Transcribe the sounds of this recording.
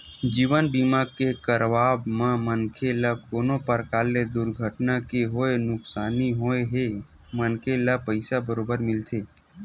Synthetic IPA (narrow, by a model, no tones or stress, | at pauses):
d͡ʒiːʋənbiːmakekəɾʋaːbmãmənkʰeləkoːnõpəɾkaːlːed̪ʊɾɡʱəʈnakeɦoːenʊksaːniɦoeɦe | mənkʰeləpəɪsabəɾoːbəɾmɪlt̪ʰeː